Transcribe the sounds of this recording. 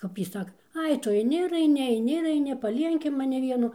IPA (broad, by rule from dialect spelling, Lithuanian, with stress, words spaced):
ˈkɐp jiː ˈsɑːkɐ ˈɐɪ ˈtʊ ɐɪˈnʲɪ ɪr ɐɪˈnʲɪ ɐɪˈnʲɪ ɪr ɐɪˈnʲɪ pɐˈlʲiɛŋʲkʲɪ mɐˈnʲɪ ˈʋʲiɛnʊ